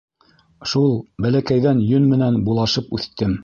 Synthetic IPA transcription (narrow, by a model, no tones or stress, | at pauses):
ʃulˠbælækæjðænjɵnmɘ̆nænbulˠɑʃɤpʉθt̪ɘm